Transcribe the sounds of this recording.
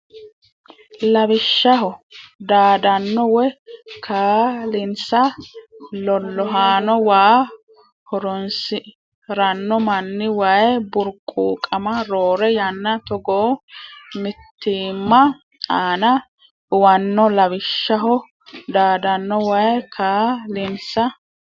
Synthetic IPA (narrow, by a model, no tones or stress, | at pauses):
lɐbɪʃːɐɦɔd̪aːd̪ɐnːɔwɛkʰaːlɪnsɐ | lɔlːɔɦaːnɔwaː | hɔɾɔnsɪ | ɾɐnːɔmɐnːɪwajbʊɾkʼuːkʼɐmɐɾoːɾɛjɐnːɐt̪ɔɡoːmɪt̪ːiːmːɐ | aːnɐ | ʊwɐnːɔlɐbɪʃːɐɦɔ | d̪aːd̪ɐnːɔwajkʰaːlɪnsɐ